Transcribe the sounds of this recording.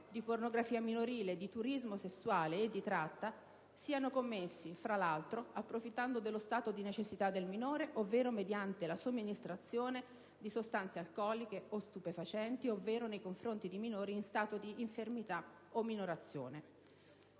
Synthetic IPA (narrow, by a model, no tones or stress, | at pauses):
d̪ipornoɡɾafiːaminoɾiːled̪it̪uɾizmosesːwaːleːd̪ːit̪ɾat̪ːa | siːanokomːesːifɾalalt̪ɾoapːɾofit̪ːand̪od̪elːost̪aːt̪od̪inet͡ʃesːit̪ad̪ːelminoːɾeʔovːeːɾomed̪jant̪elasomːinist̪ɾat̪sːjoːne | d̪isost̪ant̪sealkɔːlikeost̪upefat͡ʃɛnt̪iovːeːɾonejkoɱfɾont̪id̪iminoːɾiːnst̪aːt̪od̪iːɱfermit̪a | omːinoɾat̪sːjo̰ːne